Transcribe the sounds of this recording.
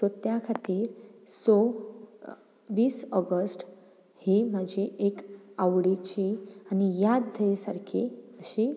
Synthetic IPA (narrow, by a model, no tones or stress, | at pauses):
sot̪jakʰat̪iːɾso | ʋiːsɔɡəsʈ | hiːm̤əd͡ʑʱiʔekaʋɽit͡ɕiañijad̪d̪ʱəsaɾkʰḭəɕi